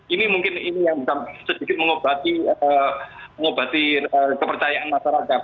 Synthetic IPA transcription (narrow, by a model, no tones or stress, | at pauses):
ʔinimuŋkɪninijaŋbisamsəd̥ikɪt̪̚məŋob̥a̤t̪iə | məŋob̥a̤t̪iəkəpərt͡ʃajaʔanmaʃaɾakat̪̚